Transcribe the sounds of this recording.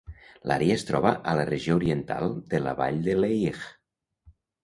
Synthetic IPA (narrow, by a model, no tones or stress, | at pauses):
lʔa̰ɾiaest̪ɾɔβəʔələreʒiouɾient̪a̰lˠd̪ela̰βa̰ʎd̪eleiɣ